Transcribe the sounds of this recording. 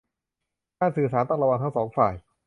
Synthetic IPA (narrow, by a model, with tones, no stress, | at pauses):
kaː˥˩nsɯː˨˩saː˨˩˦nt̪ɔ˥˩ŋɾa˧wa˧ŋt̪ʰa˥ŋsɔː˩˦ŋfa̰ː˨˩j